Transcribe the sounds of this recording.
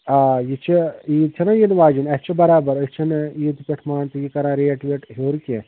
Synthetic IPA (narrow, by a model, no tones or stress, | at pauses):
aːjit͡ʃʰiiːt̪ʰɐnɐ̃jinʋaːd͡ʒinɐt͡ʃʰibɐɾaːbɐɾəst͡ʃʰɐniːt̪upʲeʈʰmaːɳt̪ujikɐɾãːɾeːʈʋeːʈɦoːɾkʲe